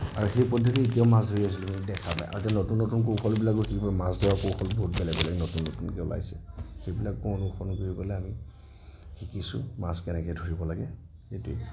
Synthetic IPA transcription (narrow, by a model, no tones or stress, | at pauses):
a̰ɹuxejpɔdʱːɔtietijaʊmasdʱoɹias̬ilɛbinidɛkʰapa̰jʔa̰ɹutɛanotunːotunkowxʰɔlbilakʊxikibɔlɛmasdɔɹakoxʰɔlbɔɦutbɛlɛɡbɛlɛɡnotunːotunkɛʊla̰jsɛxejbilakɔɔnʊxʰɔnkoɹibɔlɛami | xikisʊ̰maskɛnɛkɛdʱoɹibɔlaɡɛ | etuɛ̰